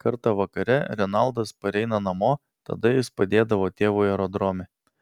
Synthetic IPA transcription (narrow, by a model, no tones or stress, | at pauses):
kɐɾt̪ɐʋɐkɐɾʲɛɾʲɛnɑˑlˠd̪ɐspɐɾʲɛɪnɐnɐmoː | t̪ɐ̰d̪ɐjɪspɐd̪ʲeːd̪ɐʋoːt̪ʲeːʋuːɛɾɔd̪ɾoːmʲe